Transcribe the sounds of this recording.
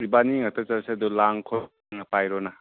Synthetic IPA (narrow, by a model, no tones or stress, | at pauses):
ɾibaniŋat̪ʰɔt͡ʃaɾsed̪ulaŋkʰɔ | ŋapajɾɔna